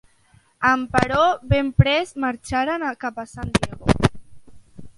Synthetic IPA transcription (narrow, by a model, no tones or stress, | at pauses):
ampaɾoβempɾezmaɾt͡ʃaɾanakapasand̪jeɣo̰